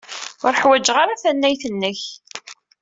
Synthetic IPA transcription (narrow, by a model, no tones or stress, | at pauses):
ʊɾəħwæd͡ʒʁaɾaθænːæjθənːəç